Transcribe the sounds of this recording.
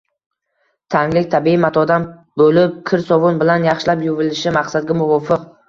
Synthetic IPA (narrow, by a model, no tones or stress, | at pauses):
t̪ʰaŋlɪk̚ʲt̪ʰabiimat̪ʰɒd̪am | bolɪp̚kʲʰɪɾsɒvʊnbɪlanjɑχʃɪlapjʊvɪlɪʃɪmaqsad̪̚ɡʲamʊvɒfɪq